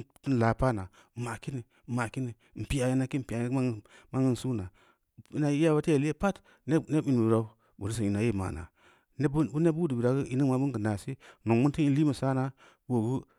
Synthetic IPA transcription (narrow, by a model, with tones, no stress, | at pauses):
ti˦n˨la˨pa˦na˨ | ma˨ki˦ni˨ma˨ki˦ni˨m̩˨pi˦ja˨ji˦na˦ki˦m̩˨pi˨a˨˦˨ma˦ŋɡə˦n˨su˦na˨ | i˦na˨ji˦a˦ba˦te˦˨li˦e˦pa˦t | ne˦i˨n˨u˨ɾa˦ | bu˨di˦s̬ə˨i˨na˨je˦˨ma̰˨na̰˨ | n˦u˦ne˦bu˦di˨bi˨ɾa˨ɡu˦ʔi˨˦ni˦ma˨bu˦ŋɡə˨na˨si˦no˨ŋmu˦ti˦ni˦li˦mə˨sa˦na˨ | wo˨ɡu˦